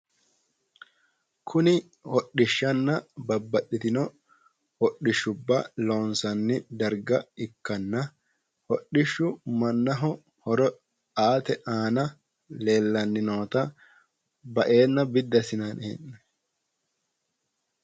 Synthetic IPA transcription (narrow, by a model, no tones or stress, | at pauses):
kʰʊnɪ | wɔɗːɪʃːɐnːɐbɐbːɐɗːɪt̪ɪnɔ | wɔɗːɪʃːʊbːɐloːnsɐnːɪd̪ɐɾɡɐɪkːɐnːɐ | wɔɗɪʃːʊmɐnːɐɦɔ | hɔɾɔ | aːt̪ɛʔaːnɐ | le̞ːlːɐnːɪnoːt̪ɐ | bɐʔe̞ːnːɐbɪd̪ːɐsɪnɐnɛ̰nːɛ